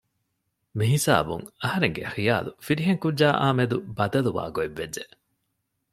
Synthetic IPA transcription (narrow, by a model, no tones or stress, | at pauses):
miɦisa̰ːbṵŋɐhɐɾeŋɡḛxija̰ːlufiɾiɦeŋkudːaːʔaːmed̪ubɐd̪ɐluʋa̰ːɡoeʋːed͡ʒd͡ʒe